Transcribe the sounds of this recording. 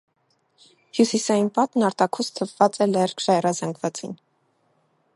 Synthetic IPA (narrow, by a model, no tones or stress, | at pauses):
hjusisɑjinpɑt̪nɑɾt̪ɑkʰust̪ʰəvːɑt͡sɛlɛrkʰʃɑɛrɑzɑŋɡvɑt͡sḭn